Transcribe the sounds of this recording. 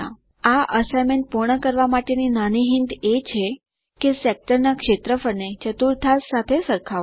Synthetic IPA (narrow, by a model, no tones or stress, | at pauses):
a̰ | aʔəsajmeɳʈ̚puɾɳ̃əkəɾʋamaʈeninaniɦɪnd̪et͡ʃʰe | kesek̚ʈəɾnakʃet̪ɾəfəɾnet͡ʃət̪uɾt̪ʰassat̪ʰesəɾkʰa